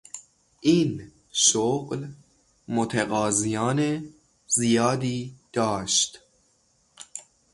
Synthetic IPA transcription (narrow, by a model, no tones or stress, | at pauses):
ʔiːn | ʃoɢl | mot̪ʰeɣɒːzijɒːne | zijɒːd̪iːd̪̥ɒːʃt̪